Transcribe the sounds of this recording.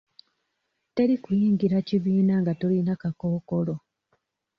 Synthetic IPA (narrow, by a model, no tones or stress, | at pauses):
te̞ɾikujiːŋɟiɾaciβiːnaŋɡatolinakakoːko̞lo̞